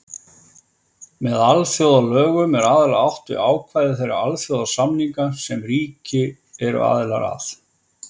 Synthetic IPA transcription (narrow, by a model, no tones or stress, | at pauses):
mɛðalθjowðalœːɣʏmɛɾaːðɪlaawht̪ʏ̰ʔaːwkʰvajðɪθejɾa̰a̰lθjoːwðasamniŋkasɛmriːcɪ | ɛɾʏ̰a̰ːðɪla̰ɾa̰θ